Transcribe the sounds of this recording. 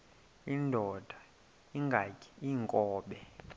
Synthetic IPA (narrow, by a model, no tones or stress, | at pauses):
indʱɔd̥ʱa | iŋɡʱakʰʼi̥iŋkʼɔːɓɛ